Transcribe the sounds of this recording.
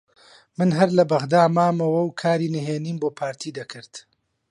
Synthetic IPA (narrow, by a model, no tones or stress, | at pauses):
mɨnɦɐɾlɐbɐɣd̪aːmaːmɐwɐwkʰaːɾiːnɨɦeːniːnboːpʰaːɾt̪ʰiːd̪ɐkʰɨɾt̪